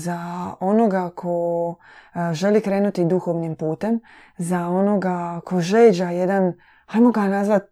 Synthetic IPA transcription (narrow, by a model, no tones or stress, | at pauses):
zao̞no̞ɡakʰo̞ | ʒe̞likɾeːnut̪id̪uxo̞ʋnimpuːt̪e̞m | zao̞no̞ɡakʰo̞ʒeːd͡ʑaje̞d̪an | hajmoɡanazʋat̪̚